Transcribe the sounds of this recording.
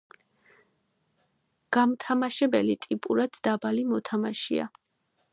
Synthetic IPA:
ɡ̥amt̪ʰamaʃɛbɛlit̪ʼipʼuɾad̪̥ːabalimɔt̪ʰamaʃia̰

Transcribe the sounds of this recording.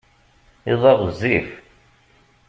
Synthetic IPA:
iðˤɑʁəzːif

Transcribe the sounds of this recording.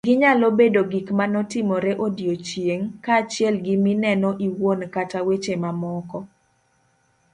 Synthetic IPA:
ɡɪɲalɔbedoɡikmanɔtɪmɔɾeʔodjot͡ʃjeŋkaːt͡ʃɪɛlɡɪmɪnɛnɔʔiwonkatawet͡ʃemamɔkɔ

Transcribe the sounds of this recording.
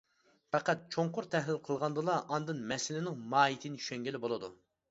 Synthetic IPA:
pɛqæt̪̚t͡ʃʰoɴqʊɾt̪ʰɛhlɪlqʰəlˠʁɑnd̪ɨlˠɑʔɑnd̪ɨnmɛsɪlɪnɪŋmɑːit̪ʰɪnɪt͡ʃʰʃɛŋɡʲɪlɪbolˠɨd̪ṵ

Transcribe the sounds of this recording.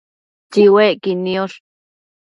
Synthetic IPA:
t͡ʃiweʔkinioɾ

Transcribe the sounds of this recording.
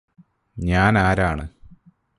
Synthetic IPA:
ɲaːnaːɾaːɳɨ

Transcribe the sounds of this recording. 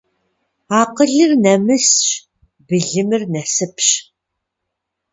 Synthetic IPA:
aːqəɮɨrnɐmɨsɕ | bɨɮɨmɨrnɐsɨpɕ

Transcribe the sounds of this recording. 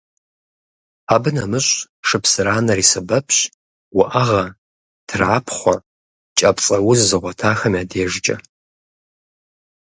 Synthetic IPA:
aːbɨnɐmɨɕʷʼ | ʂɨpʰsɨɾaːnɐriːsɐbɐpʰɕ | wʊʔɐʁɐ | tʰrʕaːpʰχʷɔ | t͡ʃʼɐpt͡sʼɐwʊzzɨʁʷɔtʰaːxɐmiaːdeːʒd͡ʒʼɐ̰

